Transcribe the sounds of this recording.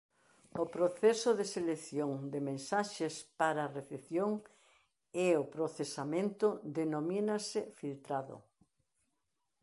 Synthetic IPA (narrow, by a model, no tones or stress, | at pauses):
ʊpɾoθɛsoðeseleθjoŋd̪emẽnsaʃespaɾaːreθeθjoŋ | ɛʊpɾoθesamẽnt̪ʊd̪enominasɪfilt̪ɾaðʊ̰